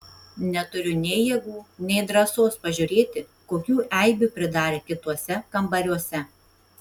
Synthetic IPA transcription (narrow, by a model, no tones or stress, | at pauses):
nʲɛt̪ʊɾʲʊnʲɛɪjɛɡuːnʲɛɪd̪ɾɐsoːspɐʒʲʊɾʲeːt̪ʲɪkoːkʲuːʔɛɪbʲupʲɾʲɪd̪ɑːɾʲeːkʲɪt̪uɔsʲɛkɐmbɐɾʲuɔsʲɛ